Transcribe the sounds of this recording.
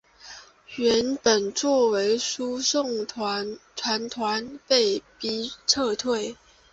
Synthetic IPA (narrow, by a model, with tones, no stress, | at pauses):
ɥɛ˧˥npə˨˩nt͡swɔ˥˩we˧˥ɪʂu˥sʊ˥˩ŋʰ | t̪ʰwa˧˥nt̪ʰwa˧˥npe˥˩ɪpi˧˥ʈ͡ʂʰɤ˥˧t̪ʰwe˥˩ɪ